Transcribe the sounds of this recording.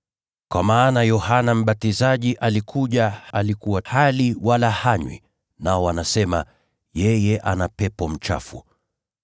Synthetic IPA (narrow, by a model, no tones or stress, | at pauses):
kwamaːnajɔhanam̩ɓatizaʄiʔalikʰuʄaalikuwahaliwalahaɲwḭ | naɔwanasɛma̰ | jɛjɛʔanapɛpɔm̩t͡ʃa̰fṵ